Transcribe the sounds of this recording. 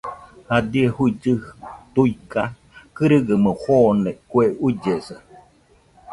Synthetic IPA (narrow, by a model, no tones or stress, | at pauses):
had̪iehuid͡ʒɨt̪uika | kɨɾɨɡəmɨhonekweud͡ʒesɨ